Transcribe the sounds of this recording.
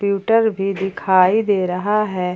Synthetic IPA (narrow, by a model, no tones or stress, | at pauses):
pjuːʈəɾbʱid̪ɪkʰaːid̪eːɾɐɦaɦɛː